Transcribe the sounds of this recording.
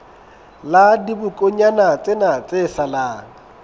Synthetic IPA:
ladibʊkʼoɲanat͡sʼɪnat͡sʼesalaːŋ̩

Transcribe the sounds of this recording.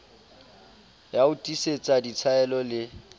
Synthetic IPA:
jaʊtʼiset͡sʼadit͡sʰaɛlɔlɪ

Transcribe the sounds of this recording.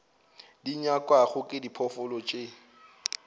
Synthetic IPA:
diɲakʼwaχʊkʼɪdipʰɔfʊlɔt͡ʃʼe

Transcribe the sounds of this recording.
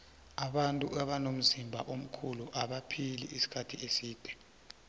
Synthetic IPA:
aɓantʼuʔaɓanom̩zimbʱa̰ʔom̩kʰuluʔaɓapʰilḭʔisi̥kʰatʰiesiːd̥ʱɛ

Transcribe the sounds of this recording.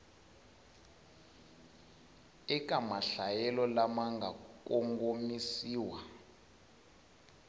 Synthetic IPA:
ɛk̬ʼamaɬajɛlɔlamaŋɡakʼɔŋɡomisiːwa

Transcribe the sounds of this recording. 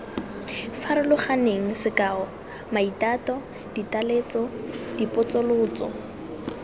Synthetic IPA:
faɾɪlʊχaneŋ̩sɪkaːɔ | maitaːtɔ | d̥italeːt͡sɔd̥ipʼʊt͡sʊlʊːt͡sɔ̰

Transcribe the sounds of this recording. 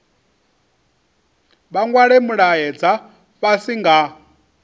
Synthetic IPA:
ɓaŋɡwaɺɛmuɺajɛd͡za | ɸasiŋɡa

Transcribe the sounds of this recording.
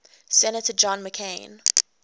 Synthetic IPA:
sɛnətəd͡ʒɔ̃nməkʰẽɪ̃n

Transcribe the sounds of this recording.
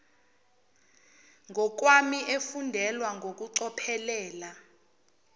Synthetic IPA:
ŋʱɔk̬wamiʔefundʱɛlwaŋʱok̬uǀɔpʰɛlɛːla

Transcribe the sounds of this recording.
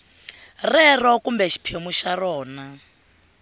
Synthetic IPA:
rɛrɔkumbɛʃi̥pʰemuʃarɔːna

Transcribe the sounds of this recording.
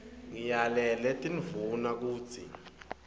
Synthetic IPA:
ŋijalɛlɛtʼinvunak̬u̥ːt͡sʰḭ

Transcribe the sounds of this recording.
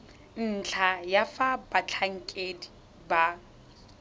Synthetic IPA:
n̩t͡ɬʰajafabat͡ɬʰaŋ̩kʼedi | ba

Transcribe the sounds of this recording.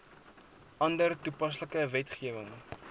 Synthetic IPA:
ʔɐndərtupɐs̬ləkəvɛtχiəvəŋ

